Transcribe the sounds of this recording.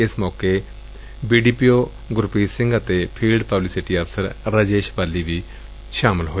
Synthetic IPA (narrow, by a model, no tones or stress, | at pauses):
ɪsmɔːke | biːɖiːpiːoː | ɡʊɾpiːsɪ̃ŋɡət̪eːpʰiːlɖpəblɪsɪʈiːəpʰsəɾɾəd͡ʒeːʃbaːlːiːʋiː | ʃaːmɪlɦoː